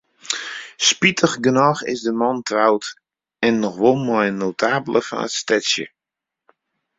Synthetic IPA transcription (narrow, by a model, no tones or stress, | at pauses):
spitʰəxɡənɔxɪ̰zdəmɔntʰrawt | ɛnːɔxʋolˠmɔjnotʰaːbələfɔ̰nətstɛsjə̰